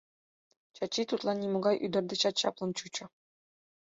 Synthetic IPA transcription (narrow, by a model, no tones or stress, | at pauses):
t͡ɕɑt͡ɕːit̪ut̪lˠɑnʲːimuɡɑjʔyd̪ɘ̆rʲd̪ʲɘ̆ɕɑt̪ɕɑ̰plˠɤ̆nt͡ɕut͡ɕɤ̆